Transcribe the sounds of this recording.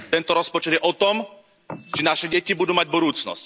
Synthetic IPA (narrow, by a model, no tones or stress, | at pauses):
t̪ɛnt̪ɔɾɔspɔt͡ʃɛd̪jɛʔɔt̪ɔm | t͡ʃɛnaʃɛɟɛcibud̪uːmaɟbud̪uːt͡snɔ̰sc